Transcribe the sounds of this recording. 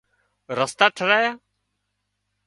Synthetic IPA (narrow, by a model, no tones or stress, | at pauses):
ɾəst̪aːʈʰəɾaːjaː